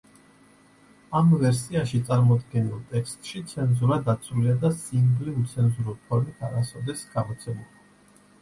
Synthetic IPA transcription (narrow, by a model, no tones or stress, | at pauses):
amvɛɾsiaʃit̪sʼaɾmɔd̪ɡɛnilˠt̪ʼɛkst̪ʼʃit̪sʰɛnzuɾad̪at̪sʰuliad̪asimbliut̪sʰɛnzuɾulpʰɔɾmit̪ʰaɾasɔvd̪ɛsɡ̥amɔt̪sʰɛmulˠia